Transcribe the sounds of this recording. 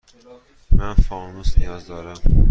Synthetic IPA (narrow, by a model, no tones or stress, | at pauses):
mænfɒnusnijɒːzd̪ɒːɾæm